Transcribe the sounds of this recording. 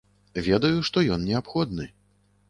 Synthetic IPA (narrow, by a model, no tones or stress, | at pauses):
vʲɛd̪ɐjuʂt̪ɔjɔnnʲɛapxɔd̪̚nɨ